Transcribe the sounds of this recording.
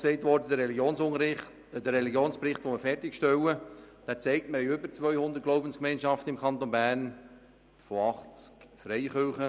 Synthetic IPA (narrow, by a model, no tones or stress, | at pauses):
ksɛɪtʋɔrdədəɾɛliɡjoːnsʊŋəɾɪχt | d̥ərːɛliɡjoːnspɾɪχtʋoməfɛrtɪkʃtɛwəd̥æːt͡sɛɪk̚tməɾjʏbəɾt͡sʋœʏhʊnd̪ət̚ɡloʊbənskmɛɪnʃɑftəɪmkʰɑnt̪onbæːɾn | fɔɑχt͡skfɾɛɪχølχə